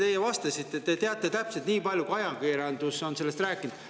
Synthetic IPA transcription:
t̪e̞jevɑst̪ɑsit̪ˑːet̪e̞t̪eɑt̪ˑːe̞t̪æpselt̪niːpɑlʲjukɑjɑkiɾɑnd̪̥uso̞nse̞le̞st̪ræːkːˑind̪

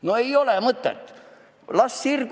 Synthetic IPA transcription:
noeiolemət̪ːɑ̰t̪ː | lɑsːirk

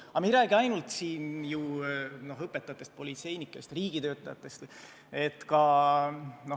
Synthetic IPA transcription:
ɑmiɾæːɡ̥iɑjnult̪siːnjuno̞ɦɤpːet̪ːˑɑt̪ːˑest̪̚po̞lit̪se̞jnikːˑest̪riːɡ̥it̪ø̞ːt̪ːˑɑjɑt̪ːˑe̞st̪ | e̞t̪kɑ | no̞

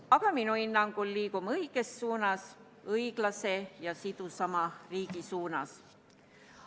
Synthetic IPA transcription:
ɑɡ̥ɑminuinːɑŋɡ̥ulːiːɡ̥umɤiɡ̥e̞sːuːnɑs | ɤjɡ̥lɑse̞jɑsid̪̥usɑmɑriːɡ̥isuːnɑs

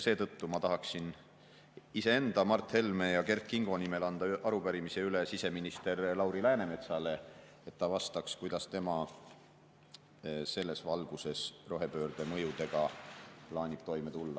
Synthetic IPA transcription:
se̞ːt̪ɤ̞t̪ːumɑt̪ɑɦɑksin | ise̞e̞nd̪ɑmɑrt̪he̞lme̞jɑke̞rkːˑiŋɡ̥o̞nime̞lɑnd̪̥ɑʔɑɾupæɾimise̞ylesise̞minist̪e̞rlɑwɾilæːne̞me̞t̪sɑle̞ | et̪ːɑvɑst̪ɑkskujd̪̥ɑst̪e̞mɑ | se̞lːe̞svɑlɡ̥use̞sro̞ɦe̞pø̞ːɾd̪̥e̞mɤ̞jut̪e̞ɡ̥ɑplɑːnʲib̥t̪o̞jme̞t̪ulːɑ

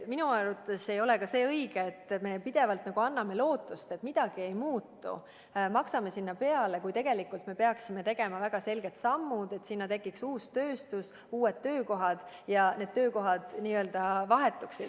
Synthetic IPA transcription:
minuɑɾut̪ːˑese̞jo̞lekɑse̞ːɤiɡ̥eːt̪ːme̞pid̪̥e̞vɑlt̪nɑɡ̥uɑnːɑme̞lo̞ːt̪ːˑust̪e̞t̪mid̪̥ɑɡ̥ie̞jmuːt̪ːṵ | mɑksɑme̞sinːɑpe̞ɑle̞kujt̪e̞ɡ̥elikːˑult̪me̞pe̞ɑksime̞t̪e̞ɡe̞mɑvæɡ̥ɑse̞lɡ̥e̞t̪sɑmːud̪e̞t̪sinːɑt̪e̞kːˑiksuːst̪ø̞ːst̪us | uːed̪̚t̪ːø̞ːko̞ɦɑd̪̥ | jɑne̞d̪̥̚t̪ːø̞ːko̞ɦɑd̪̥niːø̞ld̪̥ɑvɑɦe̞t̪ːˑuksid̥̪

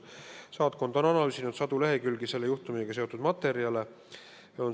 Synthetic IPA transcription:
sɑːt̪̚ko̞nd̪̥o̞nɑnɑlysʲinud̪̥sɑd̪̥uleɦe̞kylɡise̞lːejuht̪umiseɡ̥ɑse̞o̞t̪ːˑud̪̥mɑt̪ːˑe̞ɾiɑle̞ | on

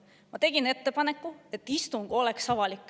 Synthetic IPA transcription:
mɑt̪e̞ɡ̥ine̞t̪ːe̞pɑne̞kːˑue̞t̪ːˑist̪uŋɡ̥o̞le̞ksɑvɑlikːˑ

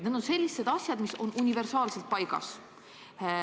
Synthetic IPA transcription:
ned̪onse̞lʲːise̞d̪ɑsʲjɑd̪̥miso̞nunʲive̞rsɑːlse̞lt̪̚pɑjɡ̥ɑ̰s

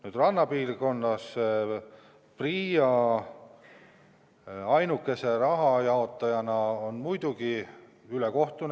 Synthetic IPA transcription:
nyːd̪rɑnːɑpiːrko̞nːɑs | priːɑ | ɑjnukːˑe̞se̞ɾɑɦɑjɑo̞t̪ːˑɑjɑnɑonmujd̪̥uɡ̥i | yleko̞ht̪un

